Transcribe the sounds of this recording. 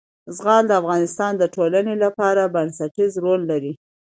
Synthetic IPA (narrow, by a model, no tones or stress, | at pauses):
zɣɑld̪əafɣɑnɪst̪ɑnd̪əʈolanelapɑɾabansaʈizɾolːaɾi